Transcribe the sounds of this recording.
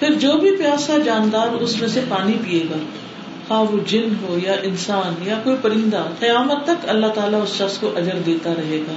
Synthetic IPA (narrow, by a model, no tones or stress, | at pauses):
pʰɪɾd͡ʒoːbʱipjaːsad͡ʒaːnd̪aːɾʊsmẽsepaːnipieːɡaː | hãːʋod͡ʒɪnɦojaʔɪnsaːnjakoːipɐɾɪ̃nd̪aqijaːmət̪ːɐkɐlːaɦt̪aːlaʊsʃɐxskoʔɐd͡ʒəɾd̪eːt̪aɾɐɦeːɡaː